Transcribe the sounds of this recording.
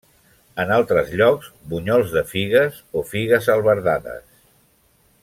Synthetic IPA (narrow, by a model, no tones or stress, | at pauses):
ənalˠt̪ɾəzʎɔkzbuɲɔlˠzðəfiɣəzofiɣəzəlˠβəɾðaðə̰s